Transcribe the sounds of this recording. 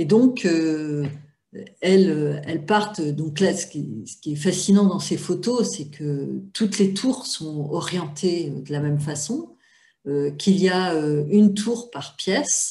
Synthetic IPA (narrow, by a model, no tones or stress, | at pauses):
ed̪ɔ̃kʰø | ɛløɛlpaʁt̪ød̪ɔ̃klasə̥kʲisə̥kʲiɛfasinɑ̃d̪ɑ̃sefot̪osɛkʰət̪ut̪let̪ʰuʁsɔ̃ɔʁjɑ̃t̪ʰeød̪əlamɛmfasɔ̃ | økʰʲiliaøynt̪ʰuʁpaʁpjɛs